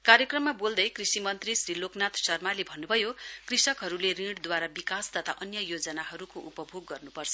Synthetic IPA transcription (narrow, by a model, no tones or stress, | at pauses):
kaɾjʌkrʌmːabold̪ʌjkrisimʌnt̪risriloknat̪ʰsʌrmalebʱʌnːubʱʌjokrisʌkɦʌɾuleriɽd̪waɾabikast̪ʌt̪ʰaʔʌnjʌjod͡zʌnaɦʌɾukoʔupʌbʱoɡːʌrnupʌrt͡sʰʌ̥